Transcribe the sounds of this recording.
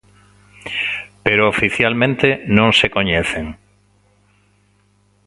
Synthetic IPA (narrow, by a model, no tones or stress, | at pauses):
peɾoːfiθjalmẽnt̪enõŋsekoɲeθeŋ